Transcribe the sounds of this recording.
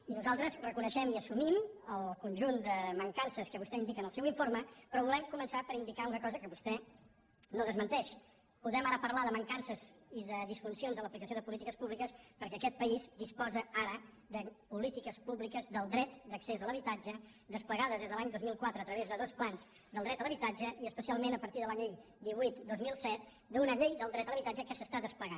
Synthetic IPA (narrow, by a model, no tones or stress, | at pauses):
inuzalˠt̪ɾəzrəkunəʃɛmiəsumiməlˠkunʲʒund̪əməŋkansəskəβust̪ɛind̪ikənəlˠsɛwiɱfoɾməpɾɔβulɛmkumənsapəɾind̪ikaunəkɔzəkəβust̪ɛ | noðəzmənt̪ɛʃ | puðɛmaɾəpəɾlaðəməŋkansəziðəðisfunsionzðələplikəsioðəpulit̪ikəspuβlikəspəɾkɛːkɛt̪̚pəizd̪ispɔzəaɾə | d̪əpulit̪ikəspuβlikəzd̪əlˠd̪ɾɛt̪d̪əksezðələβit̪ad͡ʒəd̪əspləɣaðəzðezðəlaɲd̪ozmilˠkwat̪ɾəːt̪ɾəβ̞ezðəðosplanz | d̪əlˠd̪ɾɛt̪ələβit̪ad͡ʒəʔiəspəsialˠmenəpəɾt̪iðəlaʎej | d̪iβuit̪d̪ozmilˠsɛt̪ | d̪unəʎejd̪əlˠd̪ɾɛt̪ələβit̪ad͡ʒəkəsəst̪aðəspləɣan